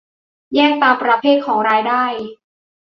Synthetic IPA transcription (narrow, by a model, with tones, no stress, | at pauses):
jɛː˥˩ŋ̚t̪aː˧mpɾa˧pʰeː˥˩t̪̚kʰɔː˩˦ŋɾaː˧jdaː˥˩j